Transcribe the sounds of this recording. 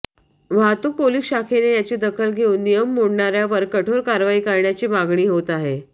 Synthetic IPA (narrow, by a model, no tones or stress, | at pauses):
ʋ̤ʱat̪uːk̚poliːsɕakʰenejat͡ɕed̪əkʰəlɡʱeuːnːijəmːoɽɳaɾjaʋəɾkəʈʰoɾkaɾʋaiːkəɾɳjat͡ɕiːmaɡɳiːɦot̪aɦe